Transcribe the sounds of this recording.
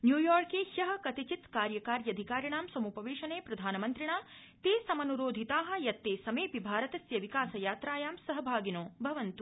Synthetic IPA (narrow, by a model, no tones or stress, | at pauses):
njuːjɔːɾkeːhjɐɦɐ̆kɐt̪it͡ʃit̪kaːɾjɐkaːɾjɐd̪ʱikaːɾjɐɳaːmsɐmupɐʋeːʃɐneːpɾɐd̪ʱaːnɐmɐnt̪ɾiɳaː | t̪eːsɐmɐnuɾoːd̪ʱit̪aːɦɐ̆jɐt̪ːeːsɐmeːpibʱaːɾɐt̪ɐsjɐʋikaːsɐjaːt̪ɾaːjaːmsɐɦɐbʱaːɡinõːbʱɐʋɐnt̪u